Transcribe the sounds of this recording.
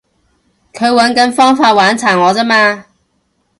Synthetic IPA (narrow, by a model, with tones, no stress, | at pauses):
kʰɵ˨˧ɥwɐ˨˥nkɐ˨˥nfɔː˥ŋfaː˧t̚waː˨˥nt͡sʰaː˨˩ŋŋɔː˨˧t͡sɐ˥maː˧